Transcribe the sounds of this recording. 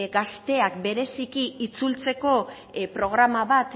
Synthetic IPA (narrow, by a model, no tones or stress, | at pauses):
ɡast̪e̞akbe̞ɾe̞sikiit͡sult͡se̞ko̞ | pɾo̞ɣ̞ɾamaβat̪